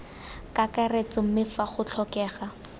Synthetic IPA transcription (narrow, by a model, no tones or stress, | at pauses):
kakaret͡sɔm̩mɪfaχʊt͡ɬʰɔkɛːχa